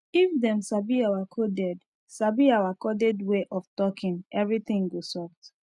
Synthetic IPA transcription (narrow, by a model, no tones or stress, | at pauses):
ifdɛ̃msabiawakʰɔdɛd | sabiawakɔdɛdweʔɔftɔkʰĩŋɛvɹit̪ĩŋɡosɔkt